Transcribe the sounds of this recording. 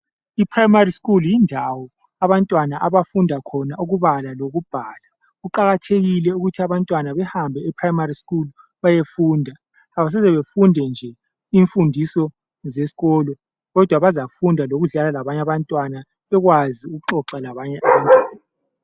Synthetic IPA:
ipʰrajmariskʼuljindʱawɔ | aβantʼwanaʔaβafundʱakʰɔnauɣuβalaloɣub̥ʱaːla | ɣuǃaɣatʰeɣilɛuɣutʰiaβantʼwanaβɛhambʱɛɛpʰrajimariskʼulu | βajefuːndʱaː | βas̬ɛzɛβefundʱɛnd͡ʒʱɛ | iɱfundʱisɔ | zesi̥ɣɔlɔ | ɣɔd̥ʱwaβazafundʱaloɣuɮalalaβaɲaβantʼwana | ɛɣwaziuɣuǃɔǁɛlaβaɲɛʔamaːni

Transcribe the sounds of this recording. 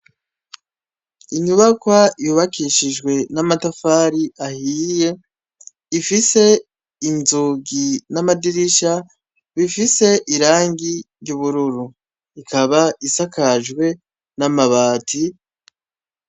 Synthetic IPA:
iɲuβakwajuβakiʃiʒɡwe̞namatafaːɾiʔahije̞ | ifise̞ | inzuɡinamadiɾiʃa | βifise̞ʔiɾaːŋɡiɾɟuβuɾuɾu | ikʰaβaisakʰaʒɡwe̞ | namaβaːtʰi

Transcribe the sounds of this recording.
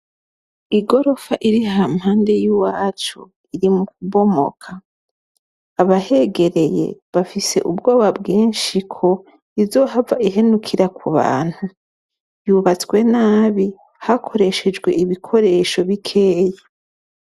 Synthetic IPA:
iɡo̞ɾo̞faʔiɾihamhaːnde̞jiwaːt͡ʃu | iɾimukuβo̞mo̞̰kʰa | βahe̞ɡe̞ɾe̞je̞̰βafise̞̰ʔubɡo̞ːβabɡiːnʃikʰo̞ | izo̞ːɦavaʔiɦenukʰiɾakʰuβa̰ːn̥hu | juβat͡swe̞naːβi | hakʰo̞ɾe̞ʃe̞d͡ʒɡweiβikʰo̞ɾe̞ʃo̞βikʰeːje

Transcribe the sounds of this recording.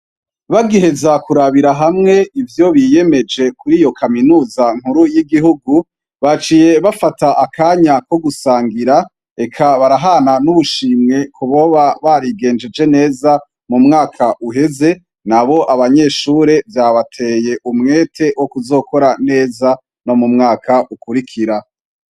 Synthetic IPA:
βaɡiɦe̞zakuɾaβiɾaɦamŋe̞ivjo̞βije̞me̞d͡ʒe̞kuɾijo̞kʰaminuːzaŋ̥uɾujiɡiɦuɡu | βat͡ʃije̞βafataʔakaːɲako̞ɡusaːŋɡiɾa | e̞kʰaβaɾaɦananuβuʃiːmŋe̞kʰuβoβaβaɾiɡe̞ːnd͡ʒed͡ʒe̞ne̞ːza | mumŋaːkʰaʔuɦe̞ze̞ | naβo̞ʔaβaɲe̞ːʃuːɾe̞vjaβatʰe̞je̞ʔumŋe̞ːtʰe̞wokuzo̞ːko̞ɾane̞ːza | no̞mumŋaːkʰaʔukuɾikʰiɾa

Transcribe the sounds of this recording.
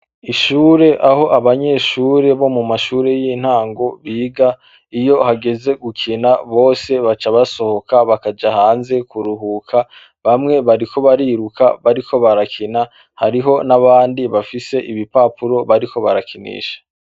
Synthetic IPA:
iʃuːɾe̞ʔaho̞ʔaβaɲe̞ːʃuːɾe̞βo̞mumaʃuːɾe̞jin̥haːŋɡo̞βiːɡa | ijo̞haɡe̞ze̞ɡukʰinaβo̞ːse̞βat͡ʃaβaso̞ho̞kaβakad͡ʒahaːnze̞kuɾuɦukʰa | βamŋe̞βaɾikʰo̞βaɾiːɾuka̰βaɾikʰo̞βaɾakʰina | haɾiɦo̞naβaːndiβafise̞ʔiβipapuɾo̞βaɾikʰo̞βaɾakinḭːʃḁ

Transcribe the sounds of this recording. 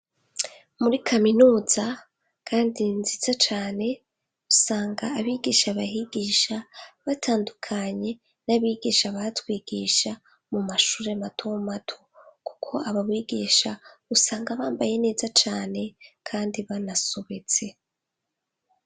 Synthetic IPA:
muɾikʰaminuːz̥a | kʰaːndinzizat͡ʃaːne̞ | usaːŋɡaːβiːɡiːʃaβahiɡiːʃaβatʰaːndukʰaɲe̞ | naβiːɡiːʃaβatwiːɡ̥iːʃa | mumaʃuːɾeamatʰomatʰoku̥kʰo̞aβaβwiːɡiːʃausaːŋɡaβaːmbaje̞ne̞ːzat͡ʃaːne̞kʰaːndiβanasoβe̞t͡se̞

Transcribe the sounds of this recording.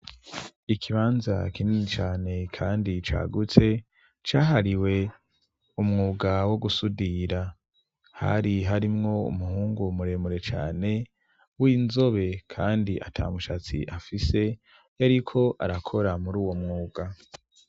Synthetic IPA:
ikʰiβaːnza̰kiniit͡ʃaːne̞kʰaːndit͡ʃa̰ːɡut͡se̞ | t͡ʃaːɦaɾiwe̞ | umŋuːɡawo̞ɡusudiɾa | ha̰ɾiɦaɾimŋo̞ṵmuhuːŋɡumuɾe̞muɾe̞t͡ʃa̰ːne̞ | winzo̞βe̞kʰaːndiʔa̰tʰa̰ːmuʃat͡sḭʔafise̞ | jaɾikʰo̞ʔa̰ɾakʰo̞ɾamuɾuːwo̞mŋuːɡ̥a

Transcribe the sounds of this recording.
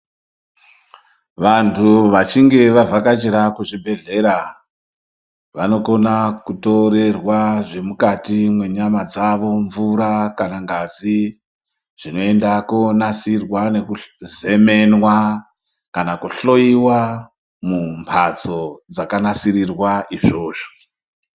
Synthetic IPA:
ʋantʰuʋat͡ʃiŋɡe̞ʋavʱakat͡ʃeɾakuʐibʱe̞ɮe̞ɾa | ʋano̞ko̞nakuto̞ɾe̞rwaʐe̞mukatimwe̞ɲamad͡zaʋo̞ɱvuɾakanaŋɡad͡zi | ʐ̥ino̞e̞ndakonasirwane̞kuze̞me̞nwa | kanakuɬo̞iwa | mumpʰat͡so̞d͡zakanasirirwaʔiʐo̞ːʐo̥

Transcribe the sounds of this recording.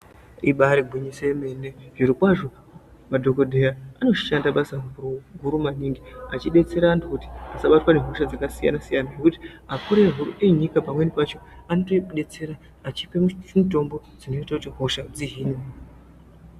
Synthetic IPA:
iɓaɾeɡʱiɲisemeneʐiɾikwaʐo̞ | madʱo̞ko̞dʱe̞jaano̞ʃiʃandaɓasaŋuɾuɡʱuɾumaniŋɡiat͡ʃiɗe̞t͡se̞ɾaːndokuti̥asaɓatwane̞ɦo̞ʃad͡zakasija̰nasijanajekuti̥akuɾeɦuɾṵʔeɲikapamwe̞nipat͡ʃo̞ano̞toɗe̞t͡se̞ɾaː | t͡ʃipe̞mumuto̞mbo̞ | d͡zino̞itakutiɦo̞ʃad͡ziɦiːni

